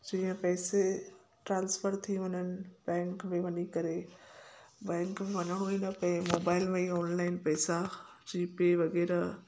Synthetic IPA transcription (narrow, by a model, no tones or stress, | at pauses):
d͡ʑĩːə̃pɛːse | ʈɾãːnsfəɾt̪ʰiʋɐɲənɪ̆bɛ̃ːŋkmẽʋɐɲikɐɾe | bɛ̃ːŋkmẽʋɐɲəɽ̃oĩːnəpɐɪ̃moːbaːɪlmeiɔːnlaːɪnpɛːsa | d͡ʑiːpeʋɐɣɛːɾa